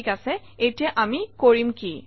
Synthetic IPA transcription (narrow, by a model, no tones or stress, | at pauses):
kasɛ | ejtijaʔamikoɹimki